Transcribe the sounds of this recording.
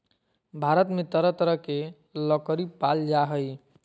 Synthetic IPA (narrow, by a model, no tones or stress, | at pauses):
bʱaɾət̪met̪əɾət̪əɾəɦke | ləkəɾipald͡ʒaɦəj